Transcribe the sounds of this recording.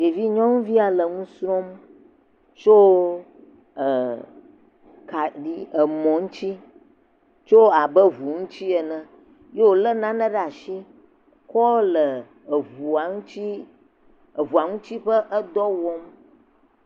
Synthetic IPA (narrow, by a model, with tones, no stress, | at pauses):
d͡ʒe˨vi˦ɲɔ̃˦ŋũ˦vi˦a˨lə˨ŋũ˦sɾɔ̃˦m | t͡ʃo˦ | ə˨ | ka˨ɖi˦˨ə˨mɔ̃˨ŋũ˦t͡ɕi˦ | t͡ʃo˦a˨bə˦vu˨ŋũ˦t͡ɕi˦ɛ˨nə̃˨ | je˦wo˨lə˦nã˦nə̃˦ɖə˦a˨ʃi˦ | kɔ˦lə˨ | vu˨a˨ŋũ˦t͡ʃi˦ | ə˨vu˨a˨ŋũ˦t͡ɕi˦ɸə˦ʔə˦d̪ɔ˦wɔ˦m